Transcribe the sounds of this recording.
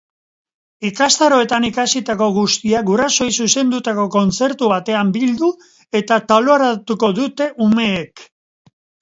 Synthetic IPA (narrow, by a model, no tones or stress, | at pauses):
ikast̪aɾo̞e̞t̪anikasit̪ako̞ɣust̪iaɡuɾaso̞jsuse̞nd̪ut̪ako̞ko̞nt͡se̞ɾt̪uβat̪e̞ambild̪u | e̞t̪at̪aloaɾat̪uko̞ðut̪e̞ʔume̞ːk